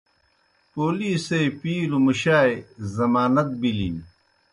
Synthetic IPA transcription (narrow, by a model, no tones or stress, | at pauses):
poːliːsejpiːlumuɕaːjzɐmaːnɐt̪̚bilḭn